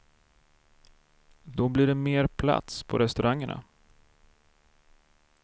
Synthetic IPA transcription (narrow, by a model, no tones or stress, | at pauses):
d̪ɔbliːɖɛmeːɾpʰla̰t̪spʰɔɾɛst̪ɵɾʔaŋːəɳa̰